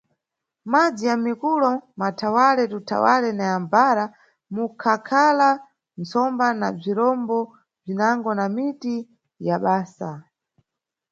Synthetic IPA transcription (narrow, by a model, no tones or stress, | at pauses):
mad͡zijamikulɔmatʰawalɛtutʰa̰walɛnajambaɾa | mukʰakʰala | nt͡sɔmbanab͡ʐiɾɔmbɔ | b͡ʐinaŋɡɔnamiti | jaɓaːsa̰